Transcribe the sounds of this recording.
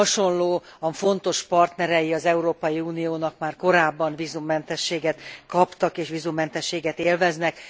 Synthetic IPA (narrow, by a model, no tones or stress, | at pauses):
ɒʃo̞nloːɒfo̞n̪t̪o̞ʃpɒrt̪nɛɾɛjiɒzɛuɾoːpɒjiuːnijoːnɒkmaːrko̞ɾaːbːɒnvizumːɛnt̪ɛʃːeːɡɛt̪kɒpt̪ɒkeːʃʋizumːɛnt̪ɛʃːeːɡɛt̪eːlvɛznɛk